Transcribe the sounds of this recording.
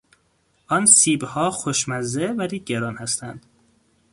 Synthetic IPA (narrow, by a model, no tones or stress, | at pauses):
ʔɒnsiːbhɒːxoʃmæzːevæɾiːɟeɾɒːnhæst̪ʰænd̪̥